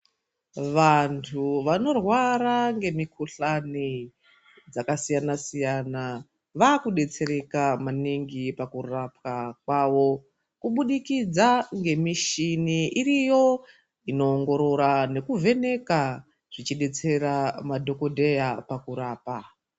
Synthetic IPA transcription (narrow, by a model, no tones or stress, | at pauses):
ʋantʰuʋano̞rwaɾaŋɡe̞mikʰuɬani | d͡zakasijanasijana | ʋaːkuɗe̞t͡se̞ɾe̞kamaniŋɡipakurapkakwaːʋo̞ | kuɓuɗikid͡zaŋɡe̞miʃiniirijo̞ | ino̞ːŋɡo̞ɾo̞ɾane̞kuve̞ne̞ka | ʐ̥it͡ʃiɗe̞t͡se̞ɾamadʱo̞kodʱe̞japakuɾaːpa